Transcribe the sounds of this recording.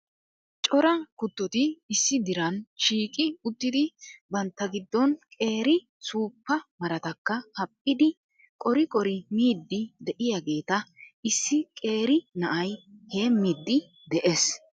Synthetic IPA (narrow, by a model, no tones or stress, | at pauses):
t͡ʃʼɔɾɐkʊt̪ːɔt̪ɪːsːɪd̪ɪɾɐnʃiːkʼɪʊt̪ːɪd̪ɪbɐnt̪ːɐɡɪd̪ːɔnkʼe̞ːɾɪ | suːpːɐmɐɾɐt̪ɐkːɐhɐpʼːɪd̪ɪ | kʼɔɾɪkʼɔɾɪmiːd̪ːɪd̪ɛʔɪjɐɡe̞ːt̪ɐɪsːɪkʼe̞ːɾɪnɐʔɐjheːmiːd̪ːɪ | d̪ɛʔes